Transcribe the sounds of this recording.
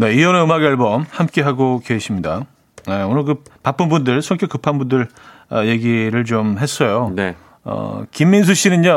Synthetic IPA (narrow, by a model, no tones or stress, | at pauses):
ne̞iʌneɯmaɡeaɭbʌmhamk͈e̞ɦaɡokeɕʰimɲida | neonɯɭk̬ɯpap͈ɯnbundɯɭsʰʌkʰekɯpʰanbundɯɭ | ʌje̞ɡiɾɯɭt͡ɕomɦe̞s͈ʌjone | ʌ̰kimːins̬ʰuɕ͈inɯna